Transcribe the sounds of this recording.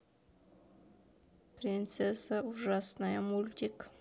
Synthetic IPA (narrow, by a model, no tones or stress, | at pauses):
pɾʲint̪sesauʒasnajamulʲt̪ʲik